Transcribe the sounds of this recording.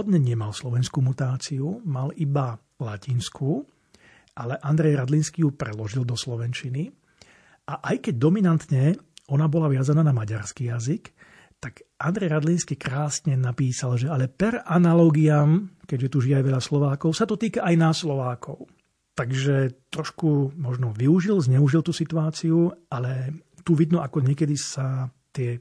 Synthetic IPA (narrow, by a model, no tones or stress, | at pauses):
ɔd̪ɲɛɲɛmalslɔʋɛnskuːmut̪aːt͡siumaliba | lacinskʰu | alɛʔand̪ɾɛjɾad̪linskijupɾɛ̰lɔʒild̪ɔslɔʋɛnt͡ʃini | ʔaʔajkɛɟ̚d̪ɔminant̪ɲɛɔnabɔlaʋɪazanaːnamaɟaɾskijazik | t̪aɡʔand̪ɾɛjɾad̪linskikɾaːsɲɛnapiːsalʒɛalɛpɛɾanalɔɡiamkɛɟʒɛt̪uʒijajʋɛʎaslɔʋaːkɔʊsat̪ɔt̪iːkaʔajnaslɔʋaːkʰɔʊ | t̪aɡʒɛt̪ɾɔʃkumɔʒnɔʋiuʒilzɲɛuʒilˠt̪usit̪uaːt͡siualɛ | t̪uʋid̪nuʔakɔɲɪɛkɛd̪isat̪ɪɛ